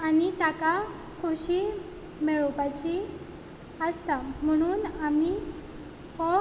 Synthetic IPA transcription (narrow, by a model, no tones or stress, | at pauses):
anit̪aka | kʰoɕiː | mɛɭɔpat͡ɕi | əst̪am̤əɽ̃uːnami | hɔ